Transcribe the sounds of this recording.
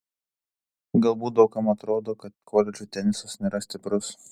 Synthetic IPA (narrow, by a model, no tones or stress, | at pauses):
ɡɐlˠbuːt̪̚d̪ɐʊkɐmɐt̪ɾoːd̪oːkɐt̪kʰoːlʲɛt͡ʃʲuːt̪ʲɛnʲɪsɐsnʲeːɾɐsʲt̪ʲɪpɾʊs